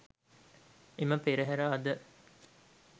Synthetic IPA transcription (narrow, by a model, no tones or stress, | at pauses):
eməpeɾeɦæɾaːd̪ə